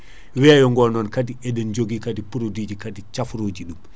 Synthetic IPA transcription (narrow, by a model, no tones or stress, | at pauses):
wɛajɔŋɡɔnɔnkadiɛɗɛnd͡ʒoɡikadipuɾodid͡ʒikadit͡ʃafɾoːd͡ʒiɗum